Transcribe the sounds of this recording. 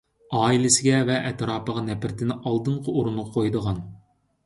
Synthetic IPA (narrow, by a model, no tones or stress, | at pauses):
ɑːilɪsɪɡʲɛvɛʔɛt̪ɾɑːpəʁɑnɛpɪɾt̪ʰɪnɪʔɑlˠd̪ɨɴqʰəuɾunuq̚qʰojd̪əʁɑn